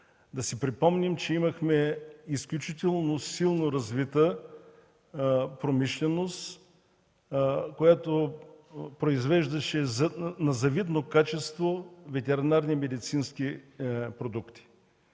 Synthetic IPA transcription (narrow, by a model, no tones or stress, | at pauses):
d̪ɐsipɾipɔmnimt͡ʃɛimɐxmɛisklʲut͡ʃit̪ɛlˠnosilˠnoɾɐzvit̪ə | pɾomiʃlʲɛnost̪ | kojat̪o | pɾoizvɛʒd̪ɐʃɛznɐzɐvit̪nokat͡ʃɛst̪vovɛt̪ɛɾinaɾnimɛd̪it̪sinsk̟ipɾod̪ukt̪i̥